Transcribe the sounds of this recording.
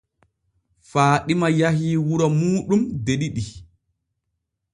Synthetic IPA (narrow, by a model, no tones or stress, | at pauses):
faːɗimajahiːwuɾɔmuːɗumdeɗiɗi